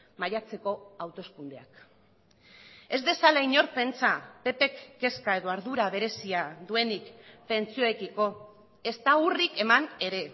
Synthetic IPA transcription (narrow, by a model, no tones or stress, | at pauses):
majat͡se̞ko̞awt̪o̞skund̪e̞ak | e̞zðe̞salaiɲo̞ɾpe̞nt͡sape̞pe̞kːe̞skae̞ðo̞aɾðuɾaβ̞e̞ɾe̞siaðue̞nikpe̞nt͡sio̞ekiko̞ | e̞st̪aurike̞mane̞ɾe̞